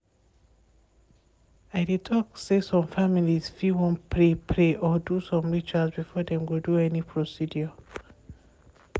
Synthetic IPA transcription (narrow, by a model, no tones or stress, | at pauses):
ajditʰɔksesɔ̃ɱfamiliz̥fiwɔ̃npʰɹepʰɹeʔɔdusɔ̃mɹit͡ʃasbifɔdɛ̃mɡulduɛnipʰɹɔsidjə